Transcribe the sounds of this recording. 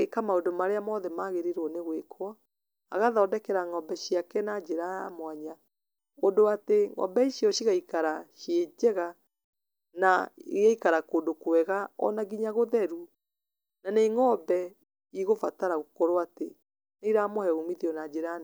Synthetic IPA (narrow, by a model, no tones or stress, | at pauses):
ekamaondomaɾeamɔðɛmaɣeɾeɾɔneɣwekʰwɔ | a̰ɣaðɔdɛkɛɾaŋɔbɛʃiakɛnad͡ʒeɾajamwaɲa | ondoateŋɔ̰bɛiʃijɔʃiɣaikaɾaʃjed͡ʒɛɣa | naɣaikaɾakoːndokɛɣaɔ̰naɡiɲaɣoðɛɾu | naneŋɔbɛ | iɣofataɾaɣokoɾoate | neiɾamohɛɣumiðiɔnad͡ʒeɾan